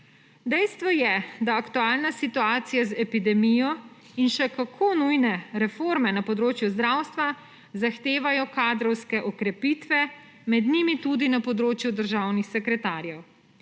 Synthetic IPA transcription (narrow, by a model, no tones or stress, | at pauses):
d̪ɛjst̪ʋɔjɛd̪aːkt̪uaːlnasit̪uaːt̪sijazɛpid̪ɛmijɔ | inʃɛkakʰoːnujnɛɾɛfoɾmɛnapɔd̪ɾoːt͡ʃjuzd̪ɾaːwst̪ʋa | zaxt̪eːʋajɔkaːd̪ɾɔwskɛʔɔkɾɛpiːt̪ʋɛ | mɛd̪nimit̪ud̪inapɔd̪ɾoːt͡ʃjud̪əɾʒawnixsɛkɾɛt̪aːɾjɛw